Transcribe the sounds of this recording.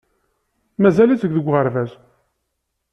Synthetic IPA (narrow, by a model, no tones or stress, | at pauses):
mæzælit͡səɡʷðəɡʷːʁəɾvæz